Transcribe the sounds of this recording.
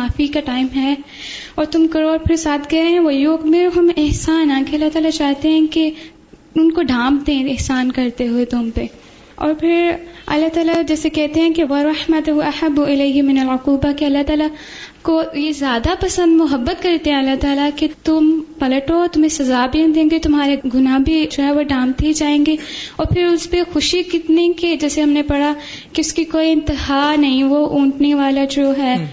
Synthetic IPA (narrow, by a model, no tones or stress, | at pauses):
aːfikaʈaːɪmɦɛː | ɔːɾt̪ʊmkɐɾoɔːɾpʰɪɾsaːt̪ʰkɛɦɾeɦɛ̃ʋɐjʊqbɪɾɦʊmɪhsaːnãːkeɐlːat̪aːlat͡ʃaːɦt̪eɦɛ̃ke | ʊnkoɖʱãːmb̚d̪ẽːɪɦsaːnkɐɾt̪eɦuet̪ʊmpe | ɔ̰ːɾpʰɪɾʔɐ̰lːat̪aːlad͡ʒɛːsekɛɦt̪eɦɛ̃kewɐɾɐħmɐt̪ʊɦʊʔɐħɐbːʊɪlejɦɪmɪnɐlʕʊquːbakeɐlːat̪aːla | kojezjaːd̪apɐsə̃nd̪mʊɦəbːət̪kɐɾt̪eɦɛ̃ɐlːaɦt̪aːlakit̪ʊmpɐləʈot̪ʊmẽsɐzaːbʱiõd̪ẽːŋɡet̪ʊmɦaːɾeɡʊnaːbʱid͡ʒoːɦɛʋoɖãːmt̪ʰid͡ʒaːẽːŋɡeːɔːɾpʰɪɾʊspexʊʃikɪt̪neiked͡ʒɛːseɦɐmnepɐɽ̤a | keʊskikoːiɪ̃nt̪ɪhaːnɐɦĩʋoʔũːɳʈneʋaːlad͡ʒoːɦɛː